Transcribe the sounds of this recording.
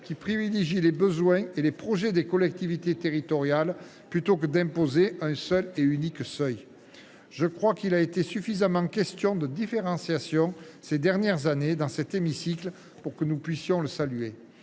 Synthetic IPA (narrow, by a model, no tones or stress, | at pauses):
kʲipχivileʒilebəzwɛ̃elepχɔʒed̪ekɔlɛk̚t̪ivit̪et̪eʁit̪ɔʁjal | plyt̪okəd̪ɛ̃pozeʔɛ̃sœleyniksœj | ʒəkχwakilaet̪esyfizamɑ̃kʲɛst̪jɔ̃d̪əd̪ifeʁɑ̃sjasjɔ̃sed̪ɛʁnjɛʁzaned̪ɑ̃sɛt̪emisikl | puʁkənupɥisjɔ̃ləsalye